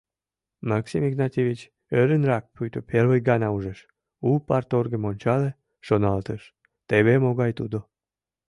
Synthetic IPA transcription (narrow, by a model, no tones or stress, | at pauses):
mɑksimiɡnɑt̪ʲevit͡ɕ | øɾənrɑk̚pyjt̪opervəjɡɑnɑuʒeʃ | upɑrt̪orɣemonʲt͡ɕɑle | ʃonɑlt̪əʃ | t̪eβemoɣɑjt̪ud̪o